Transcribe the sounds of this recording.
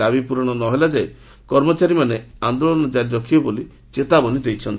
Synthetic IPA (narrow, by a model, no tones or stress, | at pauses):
abipuɾɔɽ̃ɔnɔɦelad͡ʒaj | kɔɾmɔt͡ʃaɾimaneand̪olɔnɔd͡ʒaɾd͡ʒɔkʰiɔboli | t͡ʃet̪abɔnid̪ejt͡ʃʰɔnt̪